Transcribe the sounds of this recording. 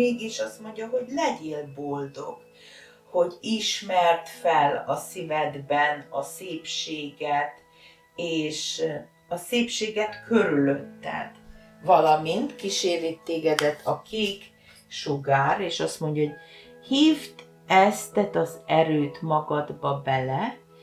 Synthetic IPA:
eːɡiʃɒst̪mo̞ɲɟɒɦo̞ɟlɛɟeːlbold̪o̞̰ɡ̥ | ho̞ɟiʃmɛrt̪fɛlɒsivɛd̪bɛnɒseːpʃeːɡɛt̪ | eːʃ | ɒseːpʃeːɡɛt̪kʰø̞ɾyløt̪ːɛ̰n | vɒlɒmint̪kiʃeːɾit̪ːeːɡɛd̪ɛt̪ʰːɒkʰeːk | ʃoɡaːɾeːʃɒst̪moɲɟɒɦoɟ | hiːft̪ | ɛst̪ɛt̪ɒzɛɾøːt̪mɒɡɒd̪bɒbɛlɛ

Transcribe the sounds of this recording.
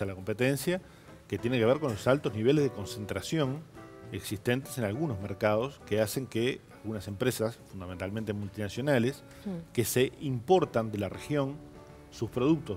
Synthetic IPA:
alako̞mpe̞t̪ẽnsja | ket̪je̞nekeβeɾko̞nlo̞salt̪o̞zniβ̞e̞lezðeko̞nse̞nt̪ɾasjõ̞ŋeksist̪e̞nt̪ese̞nalɣuno̞zmeɾkaðo̞skease̞ŋkealɣunase̞mpɾesasfund̪ament̪almẽnt̪emult̪inasjo̞nales | kese̞ʔimpo̞ɾt̪and̪e̞larexjo̞n | suspɾo̞ðuk̚t̪o

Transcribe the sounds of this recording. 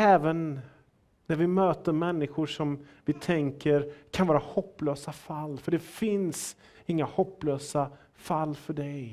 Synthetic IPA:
ɛːvənː | æɾvɪmøːt̪əɾmɛnːɪɧʊʂɔmvɪt̪ʰɛŋkəɾkʰanvɑːɾahɔpːløːsafalːfœɖɛfɪns | ɪŋːahɔpːløːsa | falːfœɖɛj

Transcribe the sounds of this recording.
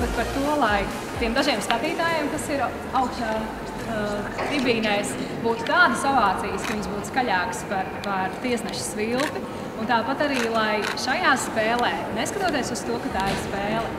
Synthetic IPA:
bɛt̪paɾt̪uɔlˠaj | t̪iɛmd̪aʒiɛmsk̪at̪iːt̪aːjeɛmkasiɾ | awkʃt̪aː | ɾibiːnɛːsbuːt̪u̥t̪aːd̪əsɔvaːt̪siːjəskɐviɲzbuːt̪u̥skaʎaːkspaɾpaɾt̪iɛsnɛʃʊ̥svilˠt̪i | unt̪aːpat̪aɾiːlˠajʃajaːspɛːlˠɛːneskɐt̪uɔt̪iɛsuz̥t̪uɔkat̪aːɪɾspɛːlˠɛ

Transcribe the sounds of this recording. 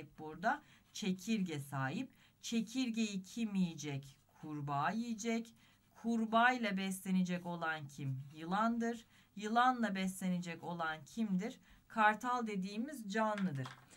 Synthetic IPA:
c̚boɾd̪a | t͡ʃʰe̞cʰiɾɟɛsaːɦip̚ | t͡ʃʰe̞cʰiɾɟe̞jicʰimijid͡ʒɛckʰuɾbaːjijid͡ʒɛc | kʰuɾbajlˠabɛslʲe̞ned͡ʒɛco̞lˠancʰimjɯlˠand̪ɯɾ | jɯlˠanlˠabɛslʲe̞ned͡ʒɛco̞lˠancʰimd̪iɾ̥kʰaɾt̪ʰalˠd̪e̞d̪iːmizd͡ʒanlˠɯd̪ɯɾ̝̥

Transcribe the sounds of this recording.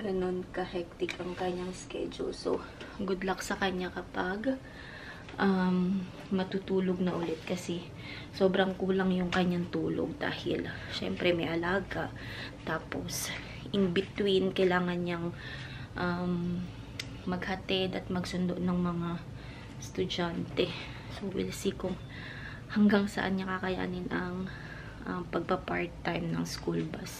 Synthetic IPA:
ɡɐno̞nkɐhɛk̚t̪ɪkɐŋkɐɲːaŋskɛ̰d͡ʒo̰so̰ɡʊd̪laksɐkɐɲːakɐpaɡ | ʔɐmː | ɐt̪ut̪uːloɡ̚nɐʔʊlɛt̪̚kɐsɛ | so̞ːbɾɐŋkuːlɐŋjʊŋkɐɲːaŋt̪uːlo̰ɡ̚d̪a̰ːhɪ̰lʃɛ̰mpɾɛmɛʔɐlaːɡaʔ | t̪aːpo̞s | ʔɪŋbɪt̪winkɐjlaːŋɐnɲaŋ | ʔɐm | mɐɡ̚hɐt̪ɪd̪ɐt̪̚mɐɡsʊnd̪oʔnɐŋmɐŋa | st̪ʊd͡ʒant̪ɛ | sowɪ̰lsiːkʊŋ | hɐŋɡaŋsɐʔa̰nɲɐkakɐja̰ːnɪnʔɐŋ | ʔɐmpɐɡ̚pɐpaɹt̪ːajmnɐŋskulbɐs

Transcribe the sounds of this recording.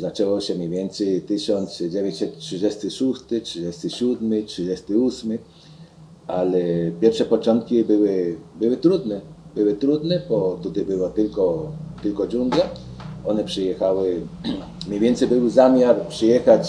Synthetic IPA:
zat͡ʂɛwɔɕɛmʲɲɛjvʲjɛnt̪sɛjt̪ɘɕɔnt̪sd͡ʑɛvʲɛɲt͡ɕsɛt̪ʂɘd͡ʑɛst̪ɪʃust̪ɪtʂɘd͡ʑɛst̪ɪɕud̪mɪtʂɨd͡ʑɛst̪ɪusmɘ | alɛpʲjɛɾfʂɛpɔt͡ʂɔnt̪̚kʲibɘwɪbɘwɘt̪ɾud̪nɛbɘwɘt̪ɾud̪nɛbɔt̪ut̪abɘwɔt̪ɪlkɔt̪ɘlkɔd͡ʑund̪ja | ɔnɛpʂɨjɛxawɪ | mʲɲejvʲjɛnt̪sɛjbɘwɘzamʲjaɾpʂɘjɛxat͡ɕ

